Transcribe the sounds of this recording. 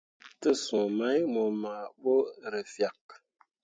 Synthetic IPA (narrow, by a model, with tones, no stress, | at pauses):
tə˦sũ˨ma˦jmo˨ma˨bo˦ɾə˨fja˨k̚